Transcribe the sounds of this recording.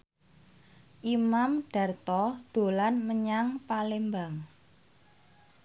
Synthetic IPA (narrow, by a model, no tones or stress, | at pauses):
ʔimamɖ̥a̤rt̪ɔd̪̥o̤lanməɲaŋpalembaŋ